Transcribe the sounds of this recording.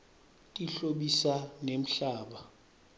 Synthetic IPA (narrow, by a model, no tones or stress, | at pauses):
tʼiɬoɓisanem̩ɬaːɓa